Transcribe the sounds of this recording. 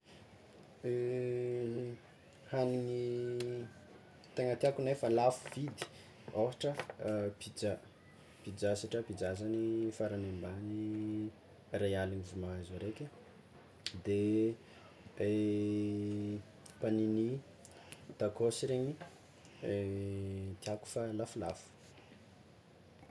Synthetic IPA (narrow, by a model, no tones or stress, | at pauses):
hanini | t̪eŋat̪iakunefalafuv̥id̪i̥ | oɦaʈ͡ʂəpid͡za | pid͡ʒasaʈ͡ʂəpid͡zazanifaɾanembani | rajalinivumaazaɾekʲə | d̪e | e | panini | t̪akosiɾeɲi | t̪iaku̥falafula̰fu̥